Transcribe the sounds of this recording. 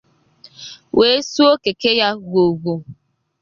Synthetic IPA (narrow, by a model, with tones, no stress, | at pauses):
wʔe˨˦su˦o˦ke˨ke˦ja˦ɡo˨ɡʷu˨